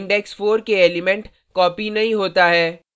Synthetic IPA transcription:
ɳɖɛksfoːɾkeeːlɪmɛ̃ɳʈ | kɔːpinɐɦĩɦoːt̪aɦɛː

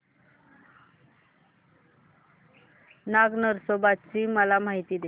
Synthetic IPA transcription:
naɡnəɾsobat̪t͡ɕiːməlamaɦit̪iːd̪e

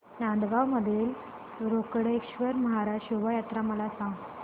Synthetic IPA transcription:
nand̪ɡawməd̪ʱiːl | ɾokɽekɕʋəɾməɦaɾaɕuʋajat̪ɾaməlasãŋɡ

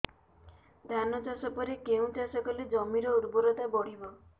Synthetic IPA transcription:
d̪ʱanɔt͡ʃasɔpɔɾekeũt͡ʃasɔkɔled͡ʒɔmiɾɔuɾbuɾɔt̪abɔɽ̤ibɔ

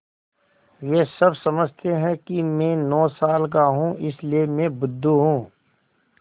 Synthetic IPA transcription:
jeːsɐbsɐməd͡ʒʱt̪eɦɛ̃kimɛ̃ːnɔːsaːlk̬aɦũɪsliemẽbʊd̪ʱːuɦũː

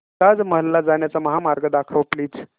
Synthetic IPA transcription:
t̪ad͡zməɦlːad͡zaɳjat͡saməɦamaɾɡəd̪akʰəʋpliːd͡z

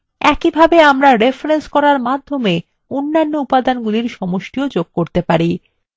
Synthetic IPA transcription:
ɛkibʱabeamɾaɾefɾenskɔɾaɾmad̪ʱːome | onːanːoupad̪anɡuliɾʃɔmoʃʈiod͡ʑoɡ̚koɾt̪epaɾi

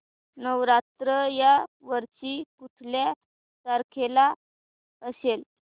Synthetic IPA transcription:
nəʋɾat̪ɾəjaʋəɾt͡ɕipuʈ̪ʰlja | saɾkʰela | əsel

